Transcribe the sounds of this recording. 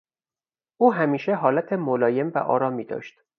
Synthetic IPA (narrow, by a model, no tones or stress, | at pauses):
ʔuːɦæmiːʃeɦɒːlæt̪ʰemolɒːje̞mvæ̰ʔɒ̰ːɾɒːmiːd̪ɒ̰ːʃt̪